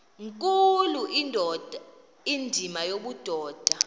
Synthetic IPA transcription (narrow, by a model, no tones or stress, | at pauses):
ŋkʼuluin | indʱimajoɓud̥ʱɔːd̥ʱa